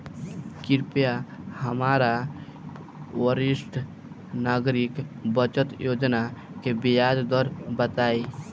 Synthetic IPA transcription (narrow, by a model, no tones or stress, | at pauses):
kiɾpjahəmaɾa | wəɾisʈʰ | naːɡɾikbət͡ʃət̪joːd͡ʒna | kebijad͡ʒd̪əɾbət̪aːi